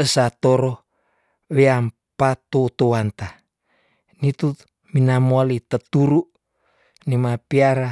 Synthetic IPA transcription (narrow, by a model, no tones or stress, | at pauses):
əsat̪oɾo | weam | pat̪ot̪owant̪a | nit̪u | minamoalit̪ət̪uɾuʔ | nimapiaɾa